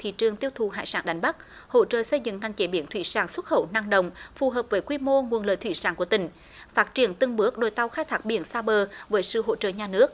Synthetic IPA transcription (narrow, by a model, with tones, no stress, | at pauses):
t̪ʰḭ˧˨t͡ɕɨ˨˩əŋt̪i˧əwt̪ʰu˨˩ɦa̰ː˧˨jsaː˧˩nɗa˨˦jŋ̟ɓa˦˥k̚ho̰˧˥t͡ɕə̰ː˧˨sə˧jzɨ̰˧˨ŋŋa˨˩ŋ̟t͡ɕe˨˦ɓi˨˩ənt̪ʰwḭ˧˩saː˧˩ŋswə˦˥t̚xə˧˩wna˧ŋɗə̰˧˨wŋ͡mfu˨˩ɦəː˨˩p̚vəː˨˦jkwi˧mo˧ŋu˨˩ənlə̰˧˨jt̪ʰi˧˩saː˧˩ŋku˧˩ət̪ï˨˩ŋ̟ | faː˦˥t̚t͡ɕi˧˩ənt̪ɨ˧əŋɓɨ˦˥ək̚ɗo˨˩jt̪a˧wxaː˧jt̪ʰaː˦˥k̚ɓi˨˧˦ənsaː˧ɓəː˨˩vəː˨˦jsɨ̰˧˨ɦo̰˧˥t͡ɕə̰ː˧˨ɲaː˨˩nɨ˦˥ək̚